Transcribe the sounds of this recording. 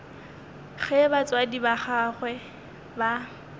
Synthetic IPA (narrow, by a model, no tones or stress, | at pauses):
χɛbat͡swadibaχaχwɛ | ba